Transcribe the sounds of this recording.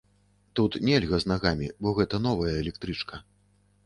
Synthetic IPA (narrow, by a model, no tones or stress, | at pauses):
t̪ut̪nʲelʲɣɐznaɣamʲibɔɣɛt̪ɐn̪ɔvɐjɐɛlʲɛk̚t̪ɾɨt͡ʂkʰɐ